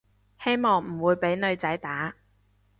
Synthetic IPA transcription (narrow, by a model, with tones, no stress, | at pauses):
he˥jmɔː˨˩ŋm̩˨˩wuː˨˧jpe˨˥jnɵ˨˧ɥt͡sɐ˨˥jt̪aː˨˥